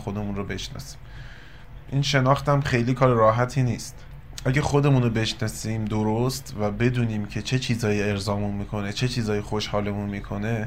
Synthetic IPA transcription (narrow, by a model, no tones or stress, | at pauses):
xod̪e̞munɾobe̞ʃnɒ̰ːsi̥ːm | ʔiːnʃe̞nɒːxt̪æmχe̞jliːkʰɒːɾeɾɒːɦæt̪ʰiːniːst̪ | ʔæɟæxo̞d̪e̞muːnobe̞ʃnɒːsiːmd̪oɾost̪væbe̞d̪uːniːmcʰe̞t͡ʃʰe̞t͡ʃʰiːzɒːjie̞ɾzɒːmunmiːkʰo̞ne̞t͡ʃʰe̞t͡ʃʰiːzɒːjixoʃhɒːle̞munmiːkʰo̞ne̞